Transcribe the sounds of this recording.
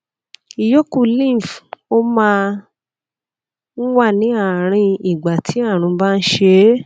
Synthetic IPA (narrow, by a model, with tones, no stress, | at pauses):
i˨jo˦ku˧˨lĩ˦˨fo˦mãː˧ | n̩˦wa˦˨nĩ˨˦a˦˨ɾ̃ĩ˧i˨ɡ͡ba˨tʰi˨˦a˦˨ɾ̃ũ˧ba˦˧n̩˦ʃe˧˦